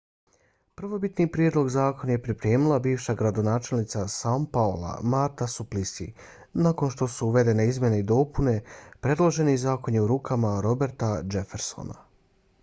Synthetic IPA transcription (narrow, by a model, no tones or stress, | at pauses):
pr̩ʋo̞bit̪nipɾjeːd̪lˠo̞ɡzaːko̞nje̞pɾipɾe̞ːmilˠabiːʋʃaɡɾad̪o̞naːt͡ʃe̞lnit̪sasampaolˠa̰maɾt̪asuplisḭ | nako̞nʃt̪o̞suuʋe̞d̪e̞neizmje̞ne̞id̪o̞ːpune̞pɾe̞d̪lˠo̞ʒe̞nizaːko̞njeuɾuːkʰamaɾo̞be̞ɾt̪ad͡ʒe̞fe̞ɾso̞̰na̰